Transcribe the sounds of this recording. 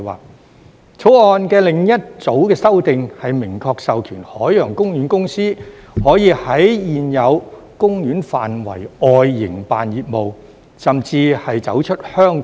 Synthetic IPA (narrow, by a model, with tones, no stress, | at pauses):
wa̰ː˨k̚ | t͡sʰo˨˥wɔː˧nkɛː˧lɪ˨˩ŋjɐ˥t̚t͡so˨˥wkɛː˧sɐ˥wt̪ɪ˨ŋhɐ˨jmɪ˨˩ŋkʰɔː˧k̚sɐ˨wkʰyː˨˩nhɔː˨˥jjœː˨˩ŋkʊ˥ŋjyː˨˥nkʊ˥ŋsiː˥ | hɔː˨˥jiː˨˧hɐ˨˥jjiː˨njɐ˨˧w | kʊ˥ŋjyː˨˥nfaː˨nwɐ̰˨˩jɔː˧jːɪ˨˩ŋpaː˨njiː˨˩t̚mo˨w | sɐ˨mt͡siː˧hɐ˨jt͡sɐ˨˥wt͡ʃʰɵ˥t̚hœː˥ŋ